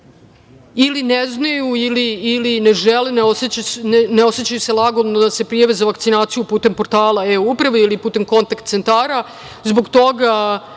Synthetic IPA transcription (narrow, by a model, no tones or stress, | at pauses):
ilineznajuiliːlineʒeleneoseaneo̞set͡ɕajuselˠaɡolnod̪ase̞pɾijaʋezaʋakt̪sinaːt̪sijupuːt̪e̞mpoɾt̪aːlˠaeupɾaʋeilipuːt̪e̞mko̞nt̪akt̪sent̪aːɾa | zbo̞ɡt̪o̞ɡa